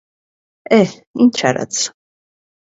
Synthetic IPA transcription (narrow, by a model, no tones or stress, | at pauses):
ɛ | int͡ʃʰa̰ɾa̰t̪t͡sʰ